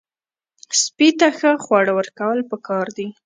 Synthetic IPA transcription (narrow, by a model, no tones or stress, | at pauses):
spit̪axəxwɑɽəwəɾkawəlpəkɑɾd̪i